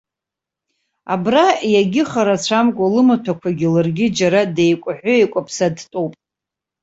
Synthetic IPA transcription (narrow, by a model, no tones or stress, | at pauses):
a̰brajaɡʲɪχaɾat͡ɕʷʰamkʷʼalɨmatʰakʷʰaɡʲɪlɨrɡʲɪd͡ʒaɾade̞jkʷʼħʷᶣʊejkʷʼapʰsadtʼowpʼ